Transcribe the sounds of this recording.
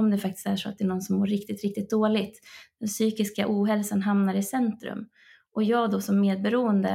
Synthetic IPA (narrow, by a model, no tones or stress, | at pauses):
ɔmd̪ɛfak̚t̪ɪ̥st̪æʂɔat̪̚d̪ɛːnɔnsɔmːoːɾɪk̚t̪ɪt̪ɾɪk̚t̪ɪt̪̚d̪oːlɪt̪d̥̪ɛnsyːkɪska̰ʔuːɦɛlsanɦamnaɾɪsɛnt̪ɾɵ̰m | ʔɔjɑːɡd̪ɔsɔmːeːd̪̚bɛɾuːənd̪ə̰